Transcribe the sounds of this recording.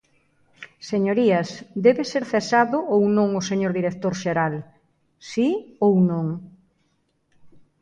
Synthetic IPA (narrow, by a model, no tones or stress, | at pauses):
seɲoɾiɐsd̪ɛβeseɾθesaðʊʔownõŋʊseɲoɾðiɾek̚t̪oɾʃeɾal | siownõŋ